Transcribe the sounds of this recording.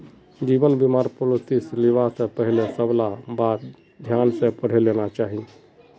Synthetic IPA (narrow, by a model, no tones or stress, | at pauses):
d͡ʒibənbimaɾpolot̪isliʋasə̃pəɦilesəblabat̪ | d̪ʱjansẽpəɽ̤elenat͡ʃaɦi